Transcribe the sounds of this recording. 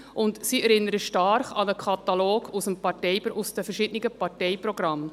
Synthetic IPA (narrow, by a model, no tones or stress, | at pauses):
ʔʊntsiɛɾɪnːəɾəʃtɑɾχɑnəkʰɑt̪ɑloːɡʰusəmpɑɾtɛɪpusd̪əfɛɾʃɪdənɪɡəpɑɾtɛɪpɾɔɡ̥ɾɑmː